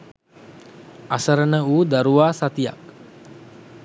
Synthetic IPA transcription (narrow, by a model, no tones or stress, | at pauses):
asəɾənəuːd̪aɾuʋaːsat̪ija̰k̚